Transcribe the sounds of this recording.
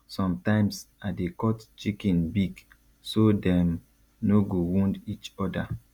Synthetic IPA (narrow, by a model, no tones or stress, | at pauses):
sɔ̃mtãɪ̃msadekɔtt͡ʃikĩnbiɡ | sodɛ̃m | noɡowũndit͡ʃɔda